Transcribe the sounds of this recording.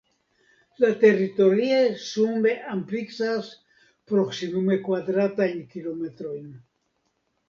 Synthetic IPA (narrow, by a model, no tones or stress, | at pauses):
lat̪erit̪oɾiasumeʔampliksas | pɾoksimumekwaðɾat̪aeŋkilomet̪ɾojn